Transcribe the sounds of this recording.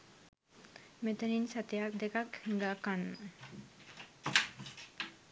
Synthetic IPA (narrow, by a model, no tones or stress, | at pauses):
met̪əninsat̪ijak̚d̪ekakhiŋɡakan